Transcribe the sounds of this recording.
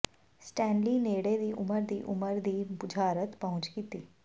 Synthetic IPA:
sʈɛ̃ːnliːneːɽed̪iʔʊməɾd̪iːʔʊ̰məɾd̪iːbʊd͡ʒʱaːɾət̪pɐɦʊ̃t͡ʃkit̪iː

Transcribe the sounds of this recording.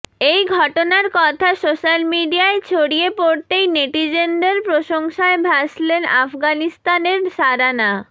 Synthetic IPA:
ejɡʱɔʈonaɾkɔt̪ʰasoʃalmiɖiaet͡ɕʰoɽiepoɾt̪ejneʈid͡ʑend̪eɾpɾoʃoŋʃaebʱaslena̰fɡanist̪aneɾsaɾana

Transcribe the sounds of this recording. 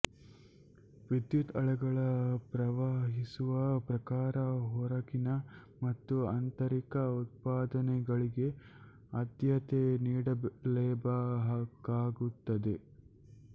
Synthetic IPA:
ʋid̪jut̪ɐɭɛɡɐɭɐpɾɐʋaːɦisuʋɐpɾɐkaːɾɐɦɔɾɐkinɐ | mɐt̪ːuɐnt̪ɐɾikɐut̪̚paːd̪ɐnɛɡɐɭiɡe̞ | ɐd̪jɐt̪eniːɽɐblɛːbɐɦakːaːɡut̪ːɐd̪e

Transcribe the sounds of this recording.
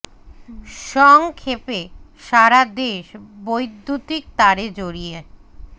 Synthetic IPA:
ʃɔŋkʰepe | ʃaɾad̪eʃbojd̪ʱːut̪ik̚t̪aɾed͡ʑoɾije

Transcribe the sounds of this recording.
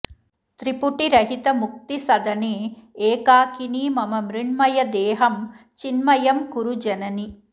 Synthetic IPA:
t̪ɾipuʈiɾɐɦit̪ɐmuk̚t̪isɐd̪ɐneːeːkaːkiniːmɐmɐmɾiɳmɐjɐd̪eːɦɐm | t͡ʃinmɐjɐmkuɾud͡ʒɐnɐni

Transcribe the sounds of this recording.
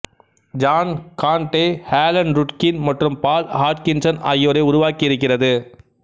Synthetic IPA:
d͡ʒaːnkaːɳʈeːhaːlɐnɾʊʈkɪnmɐʈrɯmpaːlhaːʈkɪnsɐnɐ̰jːoːɾɐɪʊɾʊʋaːkiɪɾɯkːɪrɐðɯ

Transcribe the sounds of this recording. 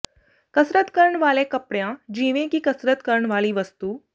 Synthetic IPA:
kəsɾət̪kəɾɳʋalẽkəpɽjãd͡ʑiʋẽkiːkəsɾət̪kəɾɳʋaɭiːʋəst̪uː

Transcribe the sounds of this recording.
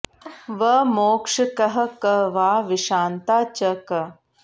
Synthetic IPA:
ʋɐmoːkʂɐkɐɦɐkɐʋaːʋiʃaːnt̪aːt͡ʃɐkɐ

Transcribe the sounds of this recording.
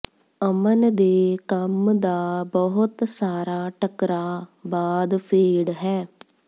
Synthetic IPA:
əmənd̪eːkəmd̪aːbəɦʊt̪saːɾaːʈəkɾaːbaːd̪pʰeːɽɦɛː

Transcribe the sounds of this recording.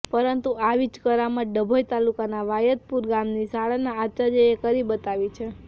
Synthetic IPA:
pəɾənt̪uaʋid͡ʒkəɾamãɖəbʱojt̪alukanaʋajət̪̚puɾɡamnisaɭanaːt̪ʃad͡ʒəjekəɾibət̪aʋit͡ʃʰe

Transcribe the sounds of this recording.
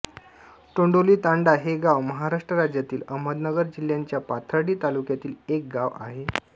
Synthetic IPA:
t̪oɳɖoliːt̪aɳɖaɦeɡaʋməɦaɾaʂʈɾəɾad͡ʑjat̪iːləm̤əd̪nəɡəɾd͡ʑiljaɲt͡ɕjapat̪ʰaɽiːt̪alukjat̪iːlek̚ɡaʋa̰ɦe

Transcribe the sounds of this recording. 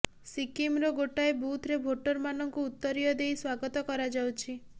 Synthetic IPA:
sikimɾɔɡoʈaebut̪ʰɾebʱoʈɔɾmanɔŋkuːt̪ːɔɾijɔd̪ejswaɡɔt̪ɔkɔɾad͡ʒawt͡ʃʰi

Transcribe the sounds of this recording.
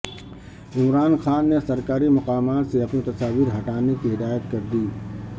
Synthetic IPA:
ɪmɾaːnxaːnːesɐɾkaːɾimɐqaːmaːt̪seɐpnit̪ɐsaːʋiːɾɦɐʈaːnekiɦɪd̪aːjət̪kɐɾd̪iː

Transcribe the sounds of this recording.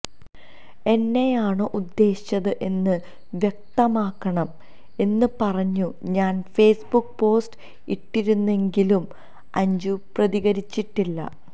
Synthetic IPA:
e̞nːejaːɳɨʔud̪ːe̞ːɕɕɐðɨʔe̞nːɨ | ʋjek̚t̪ɐmaːkːɐɳɐm | e̞nːɨpɐrɐɲːuɲaːnfe̞ːsbukːpo̞ːsʈ | iʈːiɾunːe̞ŋɡilum | ɐɲd͡ʑuprɐðiɣɐɾit͡ɕːiʈːilːɐ̰

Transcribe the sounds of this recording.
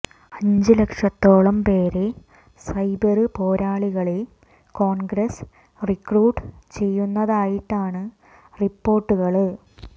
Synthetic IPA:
ɐɲd͡ʑɨlekʂɐt̪ːo̞ːɭɐmpe̞ːɾe | sɐjbɐrɨpo̞ːɾaːɭiɣɐɭil | ko̞ːɳɡɾɐs | rikruːʈːɨt͡ɕe̞jːunːɐðaːjiʈːaːɳɨ | ripːo̞ːrʈːuɣɐɭ

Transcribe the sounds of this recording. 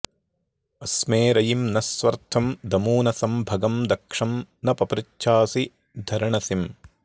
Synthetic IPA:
ɐsmeːɾɐjimnɐsʋɐɾt̪ʰɐmd̪ɐmuːnɐsɐmbʱɐɡɐmd̪ɐkʂɐmnɐpɐpɾitːʃʰaːsi | d̪ʱɐɾɐɳɐsim

